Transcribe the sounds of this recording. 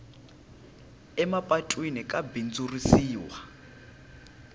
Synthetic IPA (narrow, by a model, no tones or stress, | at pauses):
ɛmapʼatʼwinikʼabind͡zurisiːwa